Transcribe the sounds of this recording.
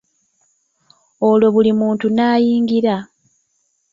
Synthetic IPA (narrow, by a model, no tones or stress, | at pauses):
o̞lo̞βulimuːntunaːjiːŋɡiɾa